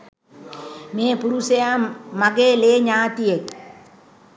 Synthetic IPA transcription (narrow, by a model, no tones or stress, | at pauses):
meːpuɾusejaːɐɡeːleːɲaːt̪ijek